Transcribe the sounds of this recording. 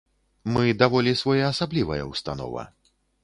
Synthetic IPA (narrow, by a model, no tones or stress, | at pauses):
mɨd̪avɔlʲisvɔjaːsablʲivɐjɐ̰wst̪anɔ̰vɐ̰